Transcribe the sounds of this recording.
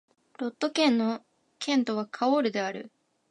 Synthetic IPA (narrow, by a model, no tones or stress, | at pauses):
ɾo̞t̪ːo̞kẽ̞nːo̞ | kʰẽ̞nt̪o̞β̞akʰaoɾɯ̟d̪e̞aɾɯ̟̰